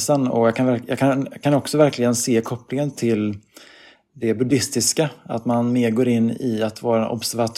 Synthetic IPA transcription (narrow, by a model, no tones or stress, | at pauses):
sənɔ̰jɑːkʰanvæjɑ̰ːkʰankʰanɔksɔvæɾklɪɡənseːkʰɔpːlɪŋənt̪ʰɪl | d̪ɛbɵd̪ɪst̪ɪskaa̰t̪manmeːɾɡoːɾɪnːɪ̰at̪vɑːɾaɛnʔɔ̰bsæɾvat̪ʰ